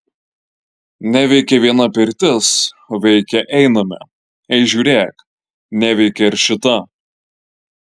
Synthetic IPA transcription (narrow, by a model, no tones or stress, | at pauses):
nʲæʋʲɛɪkʲɛʋʲiɛnɐpʲɪɾʲt̪ʲɪsoʋʲɛɪkʲɛʔɛɪnɐmʲɛ̰ | ɛɪʒʲuːɾʲeːk | nʲæʋʲɛɪkʲɛɪɾʲʃʲɪt̪ɐ